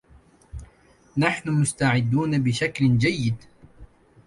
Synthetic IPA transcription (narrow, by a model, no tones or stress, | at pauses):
naħnʊmʊst̪aʕɪd̪ːuːnabɪʃakld͡ʒajːɪd̪